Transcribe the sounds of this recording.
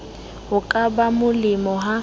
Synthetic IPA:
hʊkʼabamʊlɪmɔɦa

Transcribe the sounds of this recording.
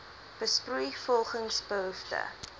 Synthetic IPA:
b̥əsprujfɔlˠχəŋsbəɦuftə̰

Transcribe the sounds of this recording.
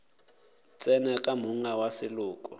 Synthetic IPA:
t͡sʼɛnɛkʼamuŋawasɪlʊːkʼʊ

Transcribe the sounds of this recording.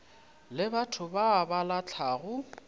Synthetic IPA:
lɪbatʰʊbaːbalat͡ɬʰaːɣʊ

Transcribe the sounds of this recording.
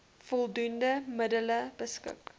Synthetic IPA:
fɔlˠdundəmədələb̥əskə̰k

